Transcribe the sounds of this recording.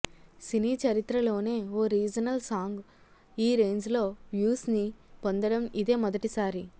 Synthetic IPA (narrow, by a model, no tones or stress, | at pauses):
siniːt͡ʃɐɾit̪ɾɐlo̞ːne̞ːoːɾiːd͡ʒɐnɐlsaːŋɡ | iːɾe̞ːɲd͡ʒlo̞ːʋjuːsnipond̪ɐɽɐmid̪e̞ːmɔd̪ɐʈisaːɾi